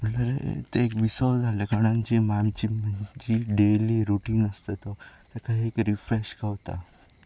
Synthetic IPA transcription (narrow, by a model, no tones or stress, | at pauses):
uləɾḛt̪eekʋisɔd͡zʱalekəɽ̃ãɲt͡ɕimamt͡ɕim̤əɲd͡ʑiɖeliɾuʈiːnəst̪et̪ɔt̪akʰaekɾifɾeɕkəʋt̪a̰